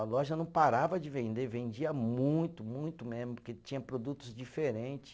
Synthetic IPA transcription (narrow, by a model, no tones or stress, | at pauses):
ɐlɔʒɐnɐ̃w̃paɾavɐd͡ʒɪvẽnd̪evẽnd͡ʒiɐmũj̃t̪ʊmũj̃t̪ʊmezmʊʊket͡ʃĩɲɐpɾod̪ut̪ʊzd͡ʒifeɾẽnt͡ʃɪ̥